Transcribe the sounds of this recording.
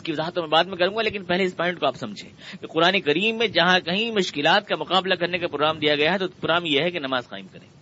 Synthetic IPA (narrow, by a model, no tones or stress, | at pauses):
skiʋɐzaːɦət̪õmẽbaːt̪̚mẽkɐɾũːŋɡaleːk̬ɪnpɛɦleɪspɔ̃ːɪ̃ɳʈkoaːpsɐ̃md͡ʒʱḛ̃ːkeqʊɾaːnekɐɾiːmːẽd͡ʒɐɦãkɐɦĩmʊʃkɪlaːt̪kamʊqaːblakɐɾnekapɾoːɡɾaːmd̪ijaɡɐjaɦɛt̪opʊɾaːmjeɦɛkenɐmaːzqa̰ːɪmkɐɾḛ̃ː